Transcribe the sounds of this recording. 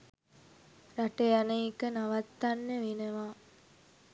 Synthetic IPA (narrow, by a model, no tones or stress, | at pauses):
raʈejanəikənaʋat̪ːanːəʋenəʋaː